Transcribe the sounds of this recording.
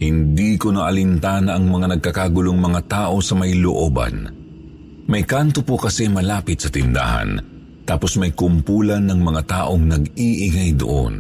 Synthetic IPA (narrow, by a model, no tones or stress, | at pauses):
hɪnd̪ikonɐʔɐlɪnt̪aːnɐʔɐŋmɐŋanɐɡ̚kɐkaːɡʊloŋmɐŋat̪aːʔo̞sɐmɐjloʔoːba̰n | mɐjkant̪opokɐsɛmɐlaːpɪt̪̚sɐt̪ɪnd̪a̰ːhɐ̰n | t̪aːposmɐjkʊmpuːlɐnːɐŋmɐŋat̪aːʔoŋnɐɡiʔɪŋajd̪ʊ̰ʔo̰n